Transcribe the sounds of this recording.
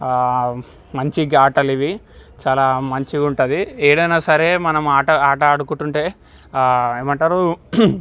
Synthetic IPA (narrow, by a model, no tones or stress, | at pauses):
mɐɲt͡ʃiɡaːʈɐliʋi | t͡ʃaːlaːmɐɲt͡ʃiɡuɳʈɐd̪ieːɽɐjnaːsɐɾe̞ːmɐnɐmaːʈɐaːʈɐɐɽukuɳʈuɳʈe̞ː | eːmɐɳʈaːɾu